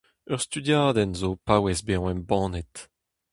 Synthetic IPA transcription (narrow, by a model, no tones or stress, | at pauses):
œʁst̪yd̪jaːd̪ɛnzopawɛzbeɔ̃ɛmbɑ̃ːnɛt̪